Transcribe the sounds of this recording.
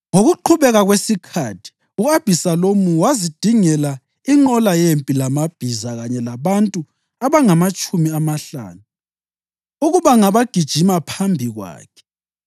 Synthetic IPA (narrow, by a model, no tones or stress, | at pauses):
ŋoɣuǃʰuβɛɣaɣwesikʰatʰi̥ | uab̥ʱisalomuwazid̥ʱiŋɛla | iŋ͡ǃɔlajempʼilamab̥ʱizaɣaɲɛlaβantʼu | aβaŋamat͡ʃʼumiamaɬa̰ːnu | uɣuβaŋaβaɡ̥ʱid̥ʒ̥ʱimapʰambʱiɣwa̰ːkʰɛ̥